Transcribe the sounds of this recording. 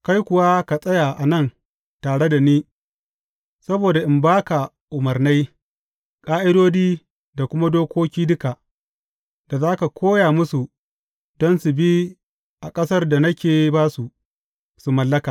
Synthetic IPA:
ka˦jkʷʊ˨wa˦ka˨sʼɐ˦ja˨ʔa˨nɐ˦˨n | taː˨ɽe˦da˨niː˦ | sɐ˦boː˨da˨ʔɪ˨mbaː˦ka˨ | ʔʊ˨mɐ˨rna˦j | kʼaː˦ʔɪ˦doː˦diː˦ | da˨kʷʊ˦ma˦doː˦kʷoː˦kʲiː˦dʊ˦ka˨ | da˨zaː˦ka˨kʰʷoː˦ja˨mʊ˦su˨ | dɔ˦nsu˨bi˦ | ʔa˨kʼɐ˦sɐ˦rda˨nɐ˦kʲeː˨baː˦su˨ | su˨mɐ˨lːɐ˦kaː˨

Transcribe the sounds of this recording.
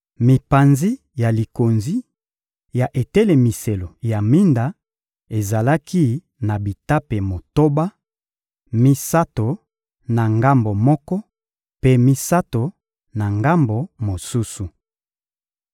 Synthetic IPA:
mi˨pa˨nzi˦ | ja˨li˨ko˨nzi˦ | ja˨ʔe˨tɛ˦le˨mi˨se˨lo˨ja˨mi˦nda˨ | e˨za˨la˦ki˦ | na˨bi˨ta˦pe˨mo˨to˦ba˦ | mi˦sa˦to˨ | na˨ŋɡa˦mbo˨mɔ˦kɔ˦ | pe˦mi˦sa˦to˨ | na˨ŋɡa˦mbo˨mo˨su˦su˨

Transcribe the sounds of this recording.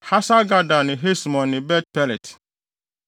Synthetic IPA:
ha˦sa˦ɡa˦da˨nɪ̃˨ɦe˦smɔ̃˨nːɪ̃˨bɛ˦t̚pɛ˦lɛ˨t

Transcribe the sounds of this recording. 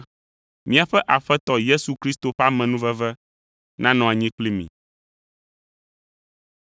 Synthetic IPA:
mĩ˦a˨ɸɛ˦ʔa˨ɸɛ˦t̪ɔ˦je˦su˨kɾi˦st̪o˨ɸa˦mɛ̃˨nũ˦vɛ˦vɛ˦ | nã˦nɔ̃˨a˨ɲĩ˦k͡pli˦mḭ̃˨

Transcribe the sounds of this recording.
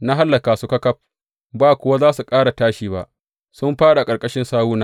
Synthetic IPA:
na˦ɦa˦lːɐ˨kaː˨su˨kɐ˦kɐ˦p̚ | baː˦kʷʊ˦wa˦zaː˦su˨kʼaː˦ɽa˨taː˦ʃiː˨ba̰˨ʔ | sʊ˦mɸaː˦ɽa˨kʼɐ˨ɾkʼɐ˦ʃɪ˦nsaː˦wuː˦naː˦

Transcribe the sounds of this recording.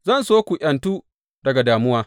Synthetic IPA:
zɐ˦˨nsoː˦kʷu˨ʔʲɐ˨ntuː˦ | dɐ˨ɡa˨daː˨mʊ˦waː˦

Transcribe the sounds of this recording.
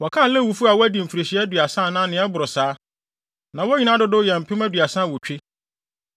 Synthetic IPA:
wɔ˨kʰã˦˨lɛ̃˦˨wu˨fu˦a˨wɔ˦æ˦dĩ˨m̩˨fi˨ɾe˨ɕi˨ɛ˦dɥa˨sã˦˨nã˦nɪ̃˨˦ɛ˦bʊ˨ɾʊ˨saː˨˦ | nã˨wɔ˦ɲi˦nã˦dʊ˦dʊ˦jɛ˨m̩˨pʰɪ˦mæ̃˦dɥa˨sã˦˨wɔ˨t͡ɕᶣe˦

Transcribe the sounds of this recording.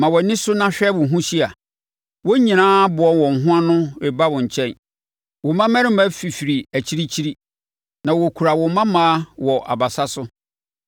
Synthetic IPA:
mã˨wɔ˨nɪ̃˦sʊ˦nã˦ɕᶣɛ˦wʊ̃˨ɦũ˦ɕi˦a˨ | wɔ˦ɲĩ˨nãː˦bʊ˨ɔ˦nwɔ̃˨ŋ̩˨ɦʊ̃˦a˦nʊ̃˦wɛ˨ba˦wɔ̃˨ɲ̩˨t͡ɕʰɛ̃˦n | wɔ˨mã˦mɛ̃˦ɾɪ̃˦m˦ma˦fi˨fi˨ɾi˨æ˨t͡ɕʰi˦ɾi˦t͡ɕʰi˦ɾi˦ | nã˨wo˨kʰu˨ɾa˨wɔ̃˨mã˦mãː˦wɔ˨ʔa̰˨ba˨sa˦sʊ˦

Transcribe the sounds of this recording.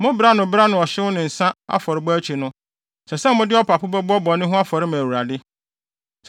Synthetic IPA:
mʊ̃˦bɾa˦nʊ̃˨bɾa˦nʊ̃˨ɔ˨ɕɪ˦wʊ˦nɪ̃˨n̩˨sã˦a̰˦fɔ˨ɾɪ˨bɔ˦æ˦t͡ɕʰi˨nʊ̃˦ | sɛ˨sɛ̃˦mʊ̃˦dɪ˦ɔ˦pʰa˨pʰʊ˦bɔ˦bʊ˦ɔ˦bɔ˨nɪ̃˦ɦʊ̃˦a˦fɔ˨ɾɪ˦mã˨wu˨ɾa˨dɪ˦

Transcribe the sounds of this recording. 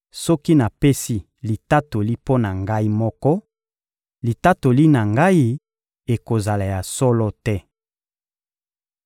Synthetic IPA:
sɔ˦ki˦na˨pe˦si˦ | li˨ta˦to˨li˦po˦na˨ŋɡa˦i˦mɔ˦kɔ˦ | li˨ta˦to˨li˦na˨ŋɡa˦i˦ | e˨ko˨za˨la˨ja˨sɔ˦lɔ˦tɛ˦

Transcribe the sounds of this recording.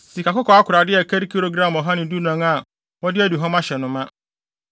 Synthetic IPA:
si˨ka˨kʊ˦kʰɔ˨a˦kʰʊ˨ɾa˨dɪ˦ɛ˨kʰa˦ɾi˦kʰi˦ɾo˦ɡɾã˦˨mɔ˨ɦa˦nɪ̃˨du˦nã˨ŋa˨ | wɔ˦dɪ˦æ˦du˨ɦɔ̃˦mã˦ɕɛ˨nʊ̃˨mã˦

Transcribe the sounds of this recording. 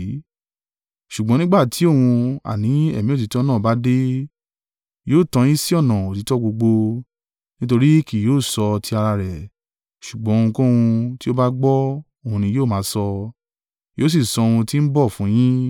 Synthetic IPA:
ʃu˨ɡ͡bɔ̃˨˦nĩ˦ɡ͡ba˦˨tʰi˨˦o˦˨wũ˧a̰˨nĩ˨˦ɛ˦˨mĩ˦o˦˨ti˨˦tɔ˦nãː˦˨ba˦de˦ | joː˦˨tã˧j̃ĩ˦si˦ɔ˦˨nã˨o˨ti˨˦tɔ˦ɡ͡bo˧ɡ͡bo˧ | nĩ˦to˧ɾi˦ki˦˨joː˦˨sɔ˧tʰi˧a˧ɾa˧ɾɛ˨ | ʃu˨ɡ͡bɔ̃˨˦˧ũ˧kõ˦wũ˧ti˦o˦ba˦ɡ͡bɔ˦ | o˦˨hũ˧nĩ˧joː˦˨mãː˨˦sɔ˧ | joː˦s̬i˦˨sɔ˧o˦˨hũ˧ti˦n̩˦bɔ˦˨fũ˨˦j̃ĩ˦

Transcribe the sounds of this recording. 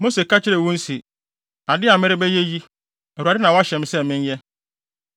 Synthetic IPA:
mo˦se˨kʰa˦t͡ɕʰɪ˦ɾɛ˨wũ˦n̩˦si˨ | a˨dɪ˦a˨mɪ˦ɾɪ˦bɛ˦je˦ji˦ | ɛ˨u˨a˨dɪ˦nã˨wɔ˦a˦ɕɛ˨m˦sɛ˦mɪ̃˦ɲ˦jɛ˦

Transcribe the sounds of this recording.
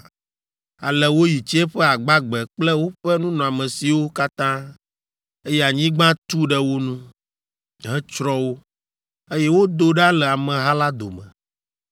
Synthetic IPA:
a˨lɛ˨wo˦ji˨t͡ʃɛ˦ɸɛ˦a˨ɡ͡ba˦ɡ͡bɛ˨k͡plɛ˦wo˦ɸɛ˦nũ˦nɔ̃˨a˨mɛ̃˨si˨wo˦ka˦t̪ã˦ | e˦jɛ˦a˨ɲĩ˦ɡ͡bã˦t̪u˦ɖɛ˦wo˦nũ˦ | ɦɛ˦t͡ʃɾɔ˦wo˦ | e˦jɛ˦wo˦d̪o˦ɖa˦lɛ˨a˨mɛ̃˨ɦa˦la˦d̪o̰˨mɛ̰̃˨

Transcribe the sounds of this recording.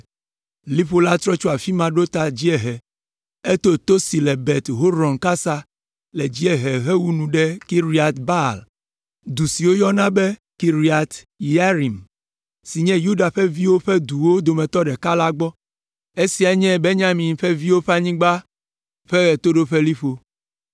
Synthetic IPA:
li˦ɸo˦la˦t̪ɾɔ˦t͡ʃo˦a˨fi˦mã˨ɖo˦t̪a˨d͡ʑi˦ɛ˨ɦɛ˨ | e˦t̪o˦t̪o˦si˨lɛ˨bɛ˨t̪ɦo˦ɾɔ̃˨ŋka˦sa˦ | lɛ˨d͡ʑi˦ɛ˨ɦɛ˨ɦɛ˦wu˦nũ˨ɖɛ˦ki˦ɾi˦a˨t̪ba˦˨l | d̪u˨si˨wo˦jɔ˦nã˦bɛ˦ | ki˨ɾi˦a˨t̪ | ja˦ɾi˨m | si˨ɲɛ̃˦ju˦ɖa˨ɸɛ˦vi˦wo˦ɸɛ˦d̪u˨wo˦d̪o˨mɛ̃˨t̪ɔ˦ɖɛ˨ka˦la˦ɡ͡bɔ˦ | e˦si˨a˨ɲɛ̃˦be˦ɲã˦mĩ˨ɸɛ˦vi˦wo˦ɸe˦a˦˨ɲĩ˦ɡ͡ba˦ | ɸe˦ɛ˨t̪o˦ɖo˦ɸe˦li˦ɸo˨

